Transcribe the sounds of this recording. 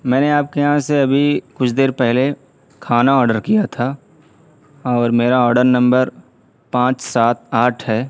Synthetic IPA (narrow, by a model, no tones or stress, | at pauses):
mɛ̃ːneaːp̚kejɦãseɐbʱikʊt͡ʃʰd̪eːɾpɛɦle | kʰaːnaɔːɾɖəɾkijat̪ʰaː | ɔːɾmeːɾaɔːɾɖəɾnɐ̃mbəɾ | pãːt͡ʃsaːt̪̚ʰaːʈʰɦɛː